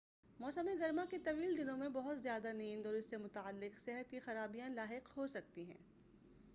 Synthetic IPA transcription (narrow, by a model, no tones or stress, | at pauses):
mɔːsəmeɡɐɾmaket̪ɐʋiːld̪ɪnõmẽbɐɦʊt̪zjaːd̪anĩːnd̪ɔːɾɪsːemʊt̪aːəlːɪqsɛɦət̪kixɐɾaːbijãlaːɦɪqhosɐk̚t̪iɦɛ̰̃ː